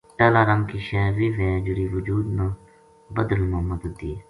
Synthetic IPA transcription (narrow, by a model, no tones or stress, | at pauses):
ʈaːlaːɾəŋkiːʃɛːɾʋiːʋẽːd͡ʒʊɾiːʋʊd͡ʒuːd̪nãː | bəd̪əlmʊɦəmːəd̪ʊd̪ie